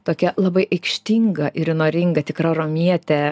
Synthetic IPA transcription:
t̪oːkʲɛlˠɐbɐɪʔɐɪkʃʲt̪ʲiŋɡɐʔɪɾɪnoːɾʲɪŋɡɐt̪ʲɪkrɐroːmʲiɛt̪ʲɛ

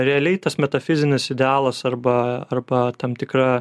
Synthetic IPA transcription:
ɾʲɛɐlʲɛɪt̪ɐsmʲɛt̪ɐfʲɪzʲɪnʲɪsɪd̪ʲɛɑːlˠɐsɐɾbɐɐrbɐt̪ɐmt̪ʲɪkɾɑː

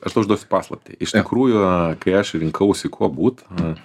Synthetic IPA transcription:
ɐʃd̪ɐʊʒd̪uɔsʲɪ̥pɑːslˠɐp̚ʲt̪ʲɛ̰ʔɪʃt̪ɪkɾuːjʊkɐɪɐʃɾʲɪŋkʰɐʊsʲɪkʰuɔbuːt̪

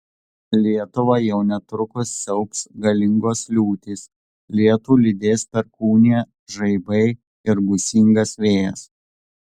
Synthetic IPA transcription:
lʲiɛt̪ʊʋɐjɛʊnʲɛt̪ɾʊkʊsːʲɛʊpsɡɐlʲɪŋɡoːslʲuːt̪ʲis | lʲiɛt̪uːlʲɪd̪ʲeːspʲɛɾkuːnʲeː | ʒɐɪbɐɪ | ɪɾbʊsʲɪŋɡɐsʋʲeːjɛs

